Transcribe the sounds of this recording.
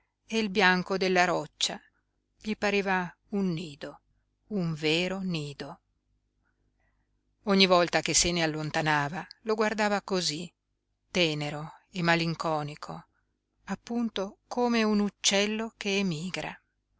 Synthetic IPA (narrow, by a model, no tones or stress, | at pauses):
eilbjaŋkod̪elːaɾɔt͡ʃːa | ʎipaɾeːva | unːiːd̪o | uɱveːɾoniːd̪o | oɲːivɔlt̪akesːenealːont̪anaːvaloɡward̪aːvakozi | t̪ɛːneɾoemːaliŋkɔːnikʰo | apːunt̪okoːmeunut͡ʃːɛlːokeːmiːɡɾa̰